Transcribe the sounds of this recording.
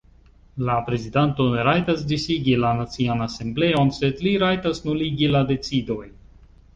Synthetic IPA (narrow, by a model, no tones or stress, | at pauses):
lapɾe̞zidanto̞neɾajtas̬disiɡilanat͡sianase̞mble̞o̞nse̞dliɾajtasnuliɡilade̞t͡sido̞j